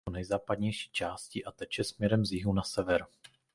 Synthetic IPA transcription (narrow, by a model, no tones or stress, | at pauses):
onɛjzaːpad̪ɲɛjʃi̥ːt͡ʃaːsciʔat̪ɛct͡ʃjɛsmɲɛɾɛmzjɪɦunasɛvɛɾ